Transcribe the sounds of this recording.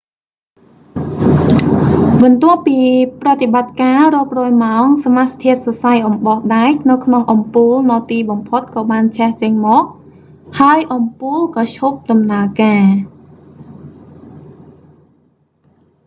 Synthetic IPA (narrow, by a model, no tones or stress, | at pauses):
ɓɑnt̪ʊ̆əppːiːprat̪ːeɓat̪̚kaːroəp̚rɔːjmaɔŋsamast̪ʰiət̪̚sɑsajʔɑmɓɑhɗaɛk̚nɨwkʰnoŋʔɑmpuːlnɔːt̪iːɓɑmpʰot̪̚kɑːɓaːnt͡ɕʰɛht͡ɕəɲmɔːʔ̚ | haəjʔɑmpuːlkɑːt͡ɕʰup̚ɗɑmnaəkaː